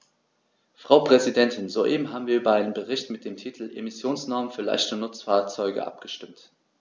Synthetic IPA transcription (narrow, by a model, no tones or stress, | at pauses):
fʁ̥aʊpʁ̥ɛzidɛntʰɪnzoʔḛːbm̩ɦaːbm̩viːɐʔyːbɐaɪnənbəʁɪçtmɪt̚d̥eːmtʰiːtʰl̩ʔḛmɪsjoːnsnɔɐmənfyːɐla̰ɪçtənʊt͡sfaːɐt͡sɔʏɡə̰ʔa̰p̚ɡ̥əʃtɪmt